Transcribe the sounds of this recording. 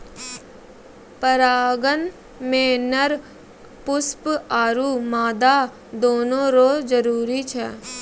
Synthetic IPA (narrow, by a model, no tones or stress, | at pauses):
pəɾaːɡən | mẽːnəɾ | pʊspaːɾuːmaːd̪aː | d̪oːnõɾoːd͡ʒəɾuːɾit͡ʃʰɛː